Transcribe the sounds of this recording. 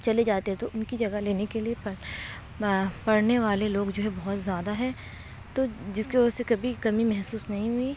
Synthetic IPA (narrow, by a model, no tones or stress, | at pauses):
t͡ʃɐled͡ʒaːt̪eɦɛ̃t̪oʔʊnkid͡ʒɐɡaɦleːnekeliep | pɐɽneʋaːleloːɡd͡ʒoːɦɛbɔɦɔt̪zjaːd̪aɦɛ̃ː | t̪oːd͡ʒɪskeʋɐəsekɐbʱikɐmimɛɦsuːsnɐɦĩɦʊi